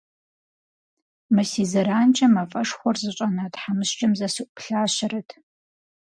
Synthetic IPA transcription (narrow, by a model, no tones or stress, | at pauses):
mɐsiːzɐɾaːnt͡ʃʼɐmɐfʼɐʂχʷɔrzɨɕʼɐnaːtħamɨɕt͡ʃʼɐmzɐsɨʔʷʼʊpɬaːɕɪrɐtʰ